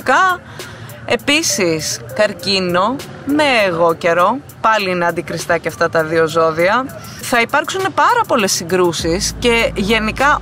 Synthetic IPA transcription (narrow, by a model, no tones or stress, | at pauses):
kɐ | e̞pisiskɐɾcino̞ | me̞ːɣo̞ce̞ɾo̞ | pɐliineɐnd̪ikɾist̪ɐceɐft̪ɐt̪ɐðio̞zo̞ðiɐ | θɐipɐɾksunepɐɾɐpo̞le̞sːiŋɡɾusisce̞ʝe̞nikɐ